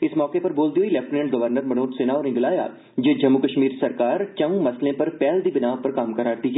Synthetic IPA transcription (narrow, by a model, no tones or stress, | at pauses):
ɪsmɔːkepɐɾboːld̪ioilɛːfʈnẽɳʈɡɐʋəɾnəɾmɐnoːʈseːnaɔːɾɪ̃ŋɡlaːja̰ː | d͡ʒeːd͡ʒɐmːʊkəʃmiːɾsɐɾkaːɾt͡ʃɐ̃ʊ̃mɐslẽpɐɾpɛːld̪ibɪnaːʋpɐɾkaːmkɐɾaːɾt̪ik